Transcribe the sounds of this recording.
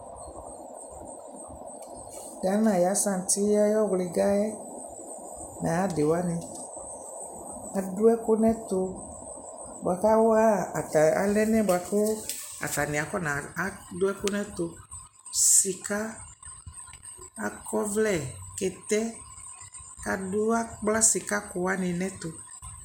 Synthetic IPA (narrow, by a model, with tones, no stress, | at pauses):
ɡa˨˦nã˨ja˨˦sã˦˨n˨t̪i˦ja˦jɔ˦ɣle˨ɡa˦ɛ˦ | nã˨a˦de˨wa˦nĩ˨ | a˨do˦ɛ˦ko˦nɛ̃˦t̪o˧ | bo˨a˨ka˦wa˦˨a˨lɛ˦nɛ̃˦bo˨a˨ko˦a̰˨t̪a˨nĩ˨a˨kɔ˦nã˨a˦dʊ˦ɛ˦ko˦nɛ̃˦t̪o˨ | si˨ka˦ | kɔ˦vlɛ˦˨kɛ˨t̪ɛ˦ | ka˨du˦a˦k͡pla˦si˨ka˦ko˨wa˦nɪ̃˨nɛ̃˦t̪o˨